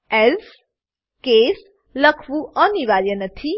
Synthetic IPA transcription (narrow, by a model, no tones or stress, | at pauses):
ɛz | kes | ləkʰʋuʔəniʋaɾjənət̪ʰi